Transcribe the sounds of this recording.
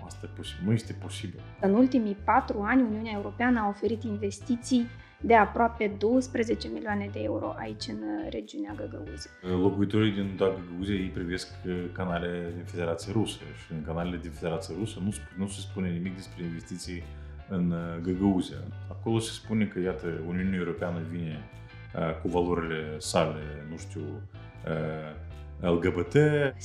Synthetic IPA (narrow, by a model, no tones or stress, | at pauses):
ast̪ajeposinuje̞st̪e̞po̞sibil | ɨnult̪imijpat̪ɾuanʲuniunae̞uɾo̞peanəao̞fe̞ɾit̪inve̞st̪it̪sij | d̪e̞apɾoape̞d̪o̞wəspɾe̞ze̞t͡ʃe̞miliane̞d̪e̞e̞̰uɾo̞̰ʔa̰it͡ʃʲɨnre̞d͡ʒiuneaɡəɡə̰uzelo̞kuit̪o̞ɾijd̪ind̪aɡəɡəuziajejpɾive̞skkanaleed̪infe̞d̪e̞ɾat̪siəɾusə̰ʃi̥ɨnkanalʲelʲed̪ʲɪnfʲedʲeɾat̪sɨjəɾusənuspɾʲɪnussʲəspunʲenʲɪmʲik̚d̪ʲespɾʲeinvʲesʲt̪ʲit̪sɨj | ɨnɡəɡəuzʲijə̰akolˠosʲi̥spunʲekəjat̪əunʲionʲewɾopʲeanəvʲinʲe | əkuvalˠoɾʲɪlʲesalʲenuʂt̪ʲu | ə | ɛlˠɡəbət̪e